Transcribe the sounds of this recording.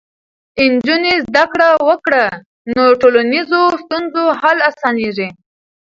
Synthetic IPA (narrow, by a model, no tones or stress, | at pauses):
ɪnd͡ʒunezd̪akɽawəkɽa | noʈolanizost̪unzoɦalasɑneʐi